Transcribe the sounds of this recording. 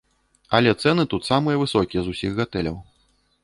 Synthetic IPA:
ɐlʲɛt̪sɛnɨt̪ut̪samɨjɐvɨsɔkʲijɛzusʲiɣːat̪ɛlʲɐ̰w

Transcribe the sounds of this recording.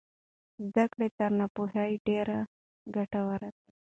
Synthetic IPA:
zd̪əkɽet̪aɾnapuɦaiɖeɾa | ɡəʈəwaɾat̪a

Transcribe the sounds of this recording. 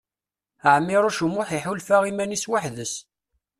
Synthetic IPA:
əʕmːɪɾˤʊʃumʊħiħulfaʁimæniswaħðəs

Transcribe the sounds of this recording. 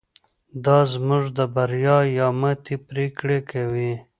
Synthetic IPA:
d̪ɑzmuʐd̪əbaɾjɑjɑmat̪ipɾekɽekawi

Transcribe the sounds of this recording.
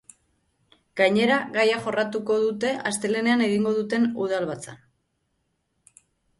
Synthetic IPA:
ɡ̥ajɲe̞ɾaɣajaxo̞rat̪uko̞ðut̪e̞ʔast̪e̞le̞ne̞ane̞ɣ̞iŋɡo̞ð̞ut̪e̞nuð̞alβat͡sa

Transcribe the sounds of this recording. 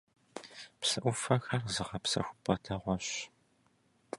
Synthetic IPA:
psɨʔʷʊfɐxɐrzɨʁɐpsɐ̰xʷʊ̥pʰʼɐtʰɐʁʷɔɕ

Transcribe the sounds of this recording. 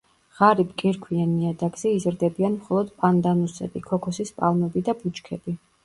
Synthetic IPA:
ʁ̥aɾibɡʼɛɾkʰwianiad̪aɡz̥ɛizɾd̪ɛbianmχɔlˠɔd̪pʼand̪anusɛ̰bikʰɔkʰɔsispʼalˠmɛbid̪abut͡ʃkʰɛbi

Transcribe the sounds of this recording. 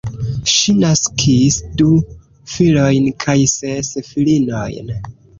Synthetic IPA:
ʃinaskʰisdu | filo̞jnkʰajsesfilino̰jn

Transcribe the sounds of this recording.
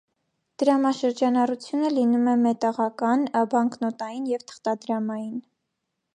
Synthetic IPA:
d̪̥əɾɑmɑʃəɾd͡ʒɑnɑrut͡sʰjunəlinumɛmɛt̪ɑʁɑkɑnbɑŋknɔt̪ɑjinjɛvt̪ʰə̥χt̪ɑd̪ɾɑmɑjin

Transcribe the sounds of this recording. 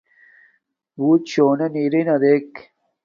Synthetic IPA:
buːt̪ɕoːnɐniɾinɐd̪ek

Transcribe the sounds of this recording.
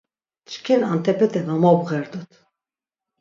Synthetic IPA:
t͡ʃkʰɛnant̪ʰɛpʰɛt̪ʰɛmamɔbɣɛɾd̪ut̪ʰ

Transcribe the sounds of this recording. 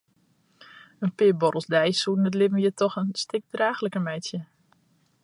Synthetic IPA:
ənpɪəbɔɾəlˠsdɛjsuːtnətlɪvən̩jətʰɔxənstɪk̚draːxləkəmɛjtsjə

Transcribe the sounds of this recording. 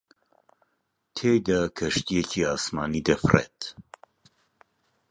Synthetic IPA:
t̪ʰejd̪ɐkʰɐʃt̪ijɛcʰiːaːsmaːnid̪ɛfrḛt̪

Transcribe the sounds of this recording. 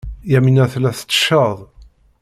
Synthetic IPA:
jæminæθlæθə̥t͡sːə̥ʃəðˤ

